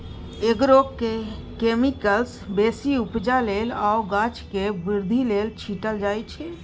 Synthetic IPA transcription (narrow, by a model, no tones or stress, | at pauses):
eɡɾokke | kemikəlsbesiupd͡ʒalelauɡãt͡ʃkebiɾd̪ʱilelt͡ʃʰiʈəld͡ʒajt͡ʃʰɛ